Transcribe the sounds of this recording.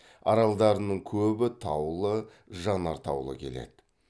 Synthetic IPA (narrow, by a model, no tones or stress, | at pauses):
ɑɾɑlˠd̪ɑɾənəɴkʲʰɵbɪt̪ʰɑwlˠə | ʒɑnɑɾt̪ʰɑ̰wlˠə̰kʲʰe̞le̞̰d̪̥ɪ